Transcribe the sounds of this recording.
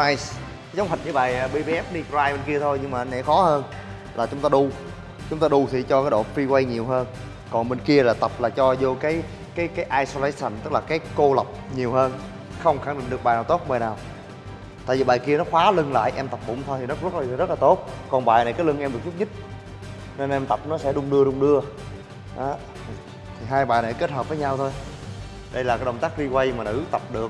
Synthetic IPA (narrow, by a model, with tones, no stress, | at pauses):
a˧js | za˨˦wŋ͡mhə̟˨˩ɲɨ˨˦ɓaː˨˩jːɓi˧ɓi˧ʔɛ˦˥p̚ɗi˧kzaː˧jɓe˨˩nki˧ət̪ʰo˧jɲɨ˧ŋmaː˨˩˨nɛ̰˧˩xɔ˨˦həː˧n | laː˨˩t͡ɕʊ˨˦ŋ͡mt̪aː˧ɗu˧ | t͡ɕʊ˨˦ŋ͡mt̪aː˧ɗu˧t̪ʰi˨˩t͡ɕɔ˧kaː˨˦jɗo̰˧˨fi˧kwa˧jɲi˨˩əwɦəː˧n | kɔ˨˩nɓe˨˩nki˧əlaː˨˩t̪ə˨˩p̚laː˨˩t͡ɕɔ˧zo˧kaː˨˦j | kaː˨˦jkaː˨˦jʔaː˧jso˧laː˧˦sə˨˩nt̪ɨ˦˥k̚laː˨˩kaː˨˦jko˧lə˨˩p̚ɲi˨˩əwhəː˧n | xə˧wŋ͡mxa˧˩ŋɗï˧˨ŋ̟ɗɨ˨˩əkɓaː˨˩jnaː˨˩wt̪o˦˥t̚məː˨˩naː˨˩w | t̪a̰ː˧˨vi˨˩ɓaː˨˩jki˧ənɔ˨˦xwaː˨˦lɨ˧ŋla̰ː˧˨jʔɛ˧mt̪ə˨˩p̚ɓʊ̰˧˩˦ŋ͡mt̪ʰo˧jt̪i˨˩nɔ˨˦zt̚ːzə˦˥t̚laː˨˩t̪o˦˥t̚kɔ˨˩nɓaː˨˩jna˨˩jkaː˨˦jlɨ˧ŋʔɛ˧mɗɨ˨˩k̚t͡ɕʊ˦˥ɲɨ˦˥t̚ | ne˧nʔɛ˧mt̪ə˨˩p̚nɔ˨˦sɛ̰˧˥ɗʊ˧ŋ͡mɗɨ˧əɗʊ˧˩ŋ͡mɗɨ˧ə | ʔaː˨˦˩ | t̪ʰi˨˩ɦaː˧jɓaː˨˩jna˨˩ke˦˥t̚həː˨˩p̚vəː˨˦ɲa˧wt̪ʰo˧j | ɗə˧jlaː˨˩kːaː˨˦ɗə˨˩wŋ͡mt̪aː˦˥k̚ɗi˧kwa˧jmaː˨˩nɨ̰˧˥˩t̪ə˨˩p̚ɗɨ˨˩ək